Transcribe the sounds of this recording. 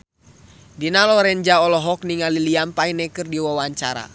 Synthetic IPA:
dinalɔɾɛɲd͡ʒaɔlɔɦɔk̚niŋaliliampainɛkɨrdiwawaɲt͡ʃaɾa̰

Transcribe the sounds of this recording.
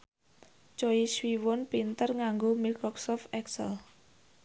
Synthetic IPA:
t͡ʃɔiswiwɔnpint̪ərŋaŋɡomikɾɔksɔft̪ɛksə̰l

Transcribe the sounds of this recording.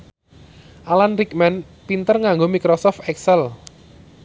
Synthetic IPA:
ʔalanɾik̚mɛn | pint̪ərŋaŋɡomikɾɔsɔft̪ɛksɛl

